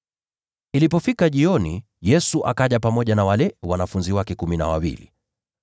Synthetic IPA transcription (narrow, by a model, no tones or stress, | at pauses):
ilipɔfikaʄiɔnḭ | jɛsuʔakaʄapamɔʄanawalɛwanafunziwakɛkumina̰wawḭlḭ